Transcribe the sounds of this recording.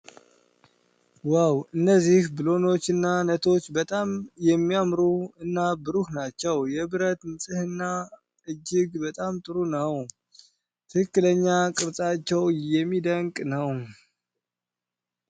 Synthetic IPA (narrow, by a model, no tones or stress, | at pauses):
wawɨnːəzːihbɨlo̞no̞t͡ʃːɨnːanət̪ʰo̞t͡ʃːbət̪ʼamjɛmːijamɾuɨnːabɨɾuhnat͡ʃːɛwjɛβɨɾət̪ɨnsʼɨhɨnːa | ɨd͡ʒːɪɡbət̪ʼamt̪ʼɨɾunəw | t̪ʰɨkɨkːɨləɲːakʼɨɾtʼat͡ʃːɛwjɛmːid̪əŋkʼnəw